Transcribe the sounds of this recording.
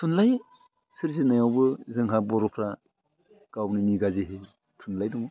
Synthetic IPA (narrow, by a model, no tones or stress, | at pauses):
tʰunlaj | sɯɾzinajawbɯzɯŋɦabɔɾɔpʰɾa | ɡ̥awnɯmiɡazeɦe | tʰunlajdɔŋɯ